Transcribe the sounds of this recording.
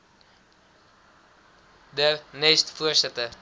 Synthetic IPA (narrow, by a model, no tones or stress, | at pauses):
dərnɛstfuərsɛtə